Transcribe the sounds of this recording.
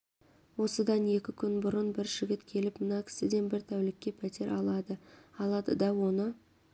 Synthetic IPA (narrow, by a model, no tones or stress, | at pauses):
wo̞səd̪ɑne̞kʲɪkʲʰʏnbʊɾənbɪɾʒɪɡʲɪt̪kʲʰe̞lɪpmənɑkʲʰɪ̥sɪd̪e̞nbɪɾt̪ʰæwlɪkʲːe̞pʰæt̪ʰe̞ɾʔɑlˠɑd̪əɑlˠɑd̪əd̪ɑwo̞nə